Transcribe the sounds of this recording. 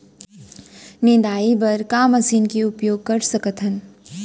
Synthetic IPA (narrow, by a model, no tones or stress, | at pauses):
nɪd̪aːibɐɾkaːmɐsiːnkeʊpjoːɡ̚kɐɾsɐkət̪ʰən